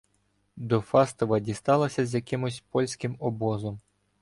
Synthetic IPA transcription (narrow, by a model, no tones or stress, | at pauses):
d̪ɔfɑst̪ɔʋɐdʲist̪ɑlˠɐsʲɐzʲjɐkɪmʊsʲpɔlʲsʲkɪmɔbɔzɔm